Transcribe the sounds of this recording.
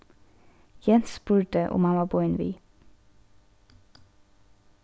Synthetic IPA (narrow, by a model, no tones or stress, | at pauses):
jɛnspʉːʈəʔʊ̰mhɑnʋɑːbɔʏnʋḭː